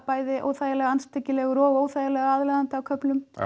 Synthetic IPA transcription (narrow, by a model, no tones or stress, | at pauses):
paːjðɪʔo̰ːwθaːjalɛɣaanst̪ʰɛcːɪlɛɣʏɾɔːɣoːwθajalɛɣaaðlɛðant̪ɪawkʰœplʏm